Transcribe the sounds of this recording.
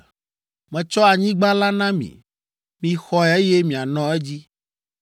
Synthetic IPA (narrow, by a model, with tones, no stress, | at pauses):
mɛ̃˨t͡ʃɔ˦a˨ɲĩ˦ɡ͡ba˦la˦nã˦mḭ̃˨ | mĩ˨xɔ˦ɛ˨e˦je˦mĩ˨a˨nɔ̃˦e˦d͡ʑi˦